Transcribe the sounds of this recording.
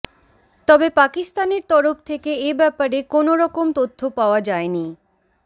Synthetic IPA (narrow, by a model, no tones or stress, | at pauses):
t̪ɔbepakist̪aneɾt̪ɔɾoft̪ʰekeebɛpaɾekonoɾɔkomt̪ot̪ʰːopaoad͡ʑaeni